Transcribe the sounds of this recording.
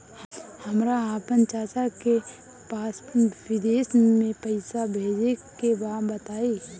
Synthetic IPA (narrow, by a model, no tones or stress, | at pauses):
həmɾaaːpənt͡ʃaːt͡ʃake | paːswɪd̪eːsmẽpəɪsabʱeːd͡ʒekebaːbət̪aːiː